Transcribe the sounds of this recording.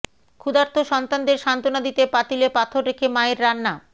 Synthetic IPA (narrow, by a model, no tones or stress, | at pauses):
kʰud̪aɾt̪ʰoʃɔnt̪and̪eɾʃant̪onad̪it̪epat̪ilepat̪ʰoɾɾekʰemaeɾːanːa